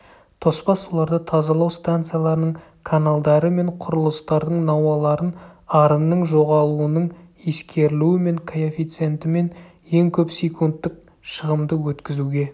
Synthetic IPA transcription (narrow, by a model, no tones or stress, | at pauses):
t̪ʰo̞spɑsolˠɑɾd̪ət̪ʰɑzɑlˠɑwst̪ant̪sɨjalˠɑɾənəɴ | kʰanalˠd̪ɑɾəme̞ɴqʰʊɾəlˠəst̪ɑɾd̪əɴnɑwɑlˠɑɾənɑɾənːəɴʒo̞ʁɑlˠuənəɴ | eskʲʰe̞ɾɪluwɪme̞ŋkʰojofijt̪sɨe̞nt̪ɪme̞n | je̞ŋkʲʰɵpsejkʰunt̪ːɪk̚ | ʃəʁəmd̪əwɵt̪kʲɪzuɡʲe̞